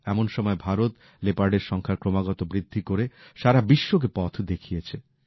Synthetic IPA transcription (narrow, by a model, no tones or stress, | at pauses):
ɛmonʃɔmɔebʱaɾot̪ | lepaɾɖeɾʃɔŋkʰaɾkɾomaɡɔt̪obɾid̪ʱːikoɾeʃaɾabiʃːok̬epɔt̪ʰd̪ekʰijet͡ɕʰe